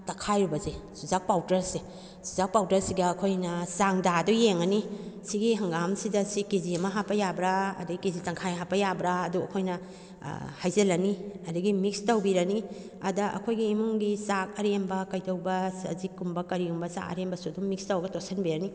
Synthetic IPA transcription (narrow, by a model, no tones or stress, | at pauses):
tɐkʰajubɐzesuzak̚pawtɐɾse | suzak̚pawtɐɾsiɡɐːkʰojnɐsaŋdadɔjeŋɐnisiɡiɦɐŋɡamsidɐsikiziɐmɐɦapːɐjabɾaɐ̰dɐɡikizitɐŋkʰajɦapɐjabɾaːduɐkʰojnɐ̰ | hajzɐlɐniɐdɐɡimik̚stɐwbiɾɐni | ɐdɐʔɐ̰kʰojɡiːmuŋɡisak̚ɐɾembɐkɐjtɐwbɐsɐ̰zikːumbɐkɐɾiumbɐsa̰ɐ̰ɾembɐsudumikstɐwɐɡɐtosenbiɾɐni